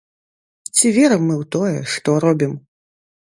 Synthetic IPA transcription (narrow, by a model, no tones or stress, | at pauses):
t͡sʲivʲɛɾɐmːɨwt̪ɔjɛ̰ʂt̪ɔɾɔbʲim